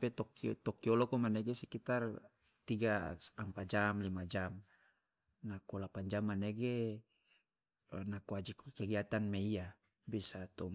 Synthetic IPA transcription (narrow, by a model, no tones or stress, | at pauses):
pet̪ɔkit̪ɔkiolokomaneɡesɛkit̪ar | t̪iɡaampad͡ʒamlimad͡ʒam | nakolapaɲd͡ʒamːaneɡe | nakoad͡ʒikkeɡiat̪anmeija | bisat̪o